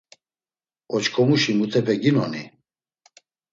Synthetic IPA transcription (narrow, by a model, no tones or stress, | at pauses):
ɔt͡ʃkʰɔmuʃimut̪ʰɛpʰɛɡinɔni